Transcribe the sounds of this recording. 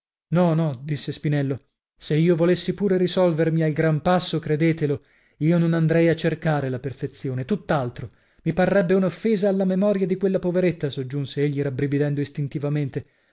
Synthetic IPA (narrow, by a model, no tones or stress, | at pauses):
nɔnɔd̪isːespinɛlːo | seiːovolesːipuːɾeɾisɔlvermialɡɾampasːokɾed̪eːt̪elo | iːononand̪ɾɛjat͡ʃːerkaːɾelaperfet̪sːjoːnet̪ut̪ːalt̪ɾo | miparːɛbːeunofːeːzaːlːamemɔːɾjad̪ikwelːapoveɾet̪ːasod͡ʒːunseeʎːiɾabɾivid̪ɛnd̪oist̪int̪ivament̪e